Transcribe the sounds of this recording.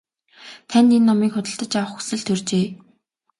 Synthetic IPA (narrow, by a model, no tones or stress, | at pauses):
t̪ʰænʲt̪enːɔmiːkχʊt̪ə̆ɬt̪ə̆t͡ɕawə̆χxu̥sɘ̆ɮt̪ʰɵrt͡ɕeː